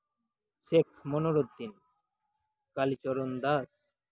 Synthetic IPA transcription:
sekʰmonoɾod̪ːin | kalit͡ɕɔɾond̪as

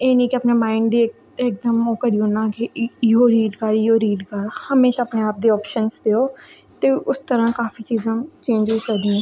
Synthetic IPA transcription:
eːnĩːkɪəpneːmaːɪɳɖd̪iːk̚ | ɪk̚d̪əmoːkəɽiːonãːkɪɪɦoːɾiːɖkəɾɪoːɾiːɖkaɾhəmeːʃaːəpneːaːp̚d̪iːɔːpʃənsd̪eːoː | t̪eːʊst̪əɾãːkaːfiːt͡ʃiːzãːt͡ʃẽːɲd͡ʒoiːsəkd̪ĩɛ̃ː

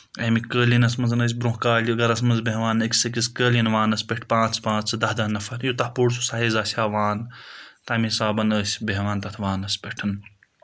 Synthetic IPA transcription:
ɐmikəːlinɐsmɐnzɨnəːs̬ʲbɾũɦkaːlʲiɐɡɐɾɐs̬mɐnzbeɦʋaːnɐkʲsɐk̬iskəːlinʋaːnɐsʲpeʈʰpãːt͡sʰpãːt͡sd̪ɐɦd̪ɐnɐfɐɾjut̪ɐhpuːɽsusaːɦizaːsʲaːʋaːnt̪ɐːmiisaːbɐnəːsʲbeɦʋaːnt̪ɐt̪ʰʋaːnɐsʲpʲeʈʰɐn

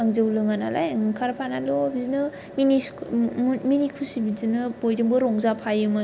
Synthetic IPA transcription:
aŋzɯwlɯŋana̰lajŋkʰaɾpʰanalɔbizinɯ | mini | minikʰusibizinɯbojdɯŋbɯɾɔŋzapʰajɯmɯ

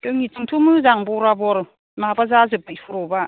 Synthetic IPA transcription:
tɯŋitiŋtʰumɯzaŋbɔɾabɔɾ | maabazazɯp̚ːaipʰuɾɔba

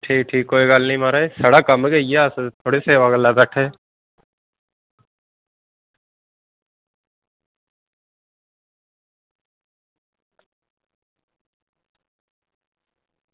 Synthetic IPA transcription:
ʈʰiːk̚ʈʰiːkːoːiɡalnəĩmaːɾaːeːsəɽaːkəmɡejaːst̪ʰoːɽeːseːʋaɡəlaːd̪aʈʰeː

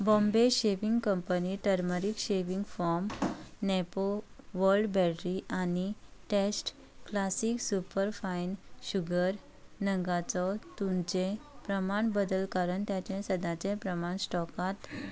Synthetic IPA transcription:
bɔ̃mbeɕeʋiŋɡkəmpəniʈəɾməɾikɕeʋiŋɡfɔɾmnepoʋəɾlɖbɛʈɾiʔaniʈesʈ | klasiːksupəɾfainɕuɡəɾ | nəŋɡat͡sɔt̪umt͡ɕẽpɾəmaɳbəd̪əlkaɾəɳt̪jat͡ɕẽsəd̪ʱat͡sẽpɾəmaɳsʈɔkat̪

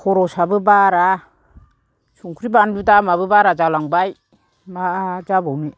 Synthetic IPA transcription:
kʰɔɾɔsabɯbaɾa | suŋkʰɾibandudamabɯbaɾad͡ʒalaŋbaj | mad͡ʒabawni

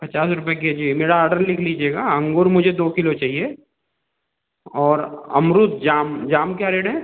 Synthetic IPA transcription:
pɐt͡ʃaːsɾʊpeked͡ʒimeːɾaɔːɾɖəɾlɪkʰliːd͡ʒieːɡaɐ̃ŋɡoːɾmʊd͡ʒʱed̪oːkɪlot͡ʃaːɦie | ɔːɾɐ̰mɾʊt̪̚d͡ʒaːmd͡ʒaːmkjaɾeːɽɦɛ̃ː

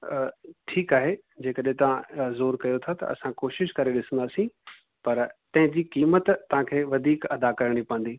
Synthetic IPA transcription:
ʈʰiːkaːɦe | d͡ʑeːkəɗɦẽt̪ɐʋ̤ãzoːɾkɐjot̪ʰat̪ɐ̰ɐ̰sãkoːʃɪʃkɐɾeɗɪsə̃nd̪aːsĩ | pɐɾt̪ɐ̃ɦɪ̃d͡ʑiːkiːmət̪ːɐʋ̤ãkʰeːʋɐd̪ʱiːkɐd̪akɐɾɽ̃ipɐə̃nd̪iː

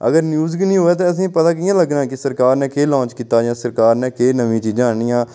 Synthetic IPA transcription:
ə̰ɡəɾnjuːzɡinĩːɦoːɛːt̪ẽːəs̬ĩːpət̪aːkɪjãːləɡnãːkɪsəɾkaːɾnɛ̃ːkeːlɔ̃ːnt͡ʃkiːt̪aːd͡ʒãːsəɾkaːɾnɛ̃ːkeːnəʋĩːt͡ʃiːd͡ʒãːɳiːjãː

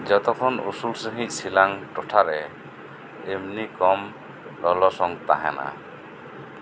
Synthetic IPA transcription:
d͡ʒɔt̪ɔkʰɔnṵsulsəɦĩc̚ˀsilaŋʈɔʈʰaɾɛː | mnikɔm | lɔlɔsɔŋt̪a̰ɦa̰na̰

